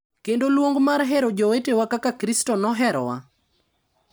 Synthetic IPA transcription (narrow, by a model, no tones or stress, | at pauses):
kendolwoŋɡmaɾɦɛɾod͡ʒowetewakakakɾistɔnɔɦɛɾɔ̰wa̰